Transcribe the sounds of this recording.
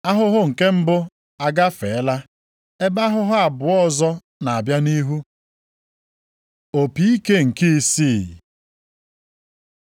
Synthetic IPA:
a˦ɦʊ˦ɦʊ˦ŋ̩˨ke˦m̩˦bʊ˦ | a˦ɡa˦fe˨˦la˦ | e˦ba˦ɦʊ˦ɦʊ˦a˨bʊ˨ɔ˦zɔ˦ | na˨a˨bja˦ni˦ɦu˦ | o˨pi˨i˦ke˦ŋ̩˨ki˦i˦si˦˨

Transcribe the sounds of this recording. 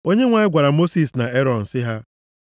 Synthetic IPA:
o˦ɲe˦ŋʷa˨ɪ˦ɡʷa˨ɾa˨mo˦si˨sna˨e˦ɾɔ˨n̩˨sɪ˦ɦa˦

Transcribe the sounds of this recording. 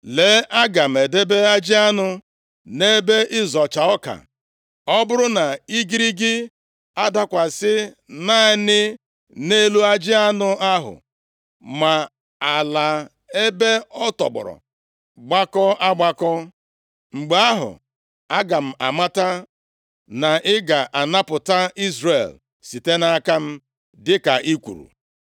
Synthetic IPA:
le˨˦ʔa˦ɡa˨m̩˨e˨de˦be˦a˦d͡ʒɪ˦a˦nʊ˦ | ne˦be˦ʔɪ˦zɔ˨t͡ʃa˨ɔ˦ka̰˨ | ɔ˦bʊ˦ɾʊ˦na˨i˦ɡi˦ɾi˦ɡɪ˦ | a˦da˦kʷa˨sɪ˦ | na˦ɪ˦nɪ˦ | ne˦lu˦a˦d͡ʒɪ˦a˦nʊ˦a˦ɦʊ̰˨ | ma˨ | a˨la˨ | e˦be˦ɔ˦tɔ̰˨bʊ̰˨ɾɔ̰˨ | ɡ͡ba˦kɔ˦a˦ɡ͡ba˦kɔ˦ | ŋ͡m̩˨ɡ͡be˦a˦ɦʊ̰˨ | a˦ɡa˨m̩˨a̰˨ma˦ta˦ | na˨ʔɪ˦ɡa˨ʔa˨na˦pʊ˨ta˦i˦zre˨l | si˨te˦na˦ka˦m̩˦ | dɪ˦ka˨ʔi˦kʷṵ˨ɾṵ˨

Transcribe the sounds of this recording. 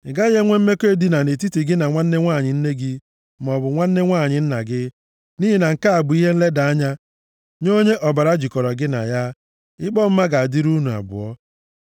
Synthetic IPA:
ɡa˦je˦ŋʷe˦m̩˦me˦ke˦di˦na˨ne˨ti˦ti˨ɡɪ˦na˨ŋʷa˦n̩˦e˦ŋʷa˦˨ɲɪ˨n̩˦ne˦ɡɪ˦ | m˨ɔ˨bʊ˨ŋʷa˦n̩˦ne˦ŋʷaː˦˨ɲɪ˨˦n̩˦na˨ɡɪ˦ | ni˦ɦi˦na˨ŋ̩˨ka˦a˨ɡ͡bʊ˨i˦ɦe˦n̩˦le˦da˨a˦ɲa˦ | ɲo˦ɲe˦ʔɔ˨ba˨ɾa˦d͡ʒi˨kɔ˨ɾɔ˨ɡɪ˦na̰˨ja˦ | ɪ˦ɡ͡bɔ˦m̩˦ma˦ɡa˨a˨di˦ɾu˦nu˨a̰˨bʊ̰˨ɔ˦

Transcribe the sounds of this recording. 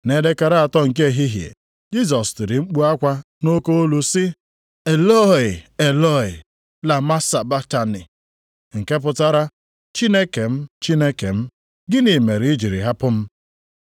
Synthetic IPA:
ne˦de˦ka˨ɾa˦a˨tɔ˦ŋ̩˨k̬e˦e˦˨ɦi˦ɦjḛ˨ | d͡ʒi˦z̬ɔ˨sti˨ɾi˨ŋ͡m̩˦k͡pu˦a˦kʷa˦ | no˦ko˦o˦lu˨sɪ˦ | e˨lɔ˦˨ɪ˨e˨lɔ˦˨ɪ˨ | la˨ma˦sa˨ba˦ta˨nɪ˨ | ŋ̩˨ke˦p̬ʊ˨ta˦ɾa˦ | t͡ʃi˦ne˦ke˨m̩˦t͡ʃi˦ne˦ke˨m̩˦ | ɡɪ˦ni˨me˨ɾi˨˦ɪ˦d͡ʒi˨ɾi˨ɦa˦pʊ˦m̩˦

